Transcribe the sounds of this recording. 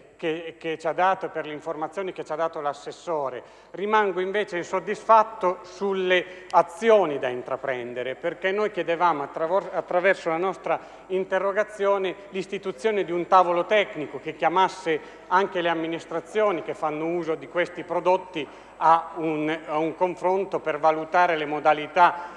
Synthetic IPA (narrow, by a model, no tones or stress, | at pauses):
keket͡ʃad̪ːaːt̪operleiɱformat̪sjoːnik̟et͡ʃːad̪ːaːt̪olasːesːoːɾe | rimaŋɡoiɱveːt͡ʃeinsod̪ːisfat̪ːosulːeat̪sːjoːnid̪aint̪ɾapɾɛnd̪eɾeperkenːojk̟jɛd̪evaːmoaat̪ːɾavɛrsolanɔst̪ɾa | int̪erːoɡat̪sːjoːnelist̪it̪ut̪sːjoːned̪iunt̪aːvolot̪ɛknikok̟ek̟ːjamasːe | aŋkeleamːinist̪ɾat̪sːjoːnikefːanːouːzod̪ikwest̪ipɾod̪ot̪ːi | aunuŋkoɱfɾont̪opervalut̪aːɾelemod̪alit̪a